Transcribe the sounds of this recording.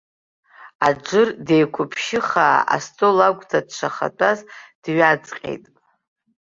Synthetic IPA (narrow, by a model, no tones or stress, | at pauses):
ad͡ʒɨrde̞jkʷʰʊpʰʃɪχaːa̰stʼolaɡʷʼtʰadʂʰaχa̰tʷʼazd̥ɥat͡sʼqʲʼḛjtʼ